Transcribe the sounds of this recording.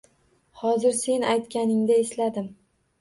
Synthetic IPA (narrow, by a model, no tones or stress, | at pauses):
hɒzɪɾse̞najt̪kʲanɪŋd̪aeslad̪ɪm